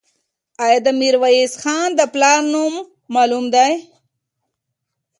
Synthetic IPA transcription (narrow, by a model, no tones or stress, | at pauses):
ajad̪əmiɾwaisxɑːnd̪əplaɾnumː | aːlumd̪aj